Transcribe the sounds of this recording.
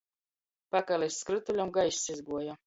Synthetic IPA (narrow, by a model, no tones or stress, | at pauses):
pakalʲɛsskɾɨt̪ulʲamɡajsizɡuɔja